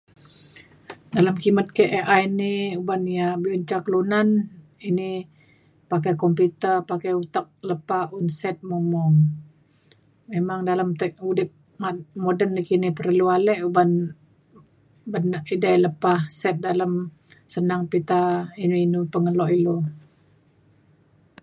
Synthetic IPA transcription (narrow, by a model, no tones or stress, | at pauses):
daləmkimət̪̚keʔʔajniubanijabiuɲt͡ʃakəlunan | ini | pakajkɔmput̪ərpakajut̪ak̚ləpaunsɛt̪̚mumɔŋ | memaŋdaləmt̪əʔudɪp̚ | mamodənːikinipərlualɛʔuban | bənaʔidaləpahsɛt̪̚daləm | sənaŋpit̪ainuinupəŋəlɔʔilo